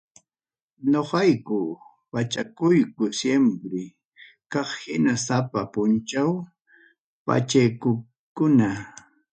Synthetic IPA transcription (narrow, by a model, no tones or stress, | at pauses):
ɲoqɑjkʊ | wat͡ʃakʊjkʊsjempɾɪ | kɑχhɪnasapapʊnt͡ʃaw | pa̰t͡ʃajkʊ | kʊna